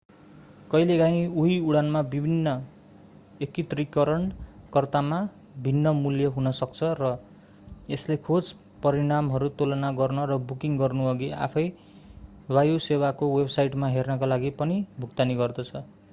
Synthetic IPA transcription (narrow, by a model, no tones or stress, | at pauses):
kʌjleɡãĩuɦiuɽanmabibʱinːʌ | ekit̪rikʌɾʌɳkʌrt̪ama | bʱinːʌmuljʌɦunʌsʌk̚t͡sʰʌrʌ | eslekʰod͡z | pʌɾiɽamɦʌɾut̪olʌnaɡʌrnʌrʌbukiŋɡʌrnuʌɡia̰pʰʌj | wajusewakowebsajʈmaɦernʌkalaɡipʌnibʱuk̚t̪aniɡʌrd̪ʌt͡sʰʌ